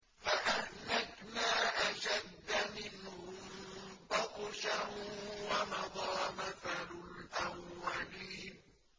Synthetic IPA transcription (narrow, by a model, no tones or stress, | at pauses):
faʔahnakmaːʔaʃad̪ːamɪnhʊmbɑqʃawamɑd̪ˤɑːmaθalʊlʔawːaliːn